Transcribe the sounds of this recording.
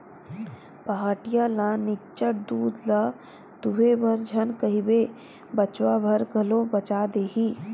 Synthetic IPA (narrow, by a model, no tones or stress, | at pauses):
pəɦaːʈɪjãlanɪt͡ʃəʈ̚d̪uːd̪la | t̪uɦebʱəɾd͡ʒʱənkəɦibe | bət͡ʃwabʱəɾɡʱəlõbət͡ʃaːd̪eːɦiː